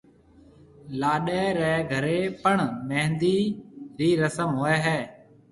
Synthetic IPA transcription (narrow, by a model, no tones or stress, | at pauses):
laːɗeːɾɛːɡʱəɾeːpəɳmɛ̃ːnd̪iːɾiːɾəsəmɦoːeːɦɛː